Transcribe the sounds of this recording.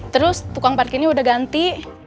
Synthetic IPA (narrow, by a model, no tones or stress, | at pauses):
t̪əɾʊst̪ukaŋparkiniudahɡant̪i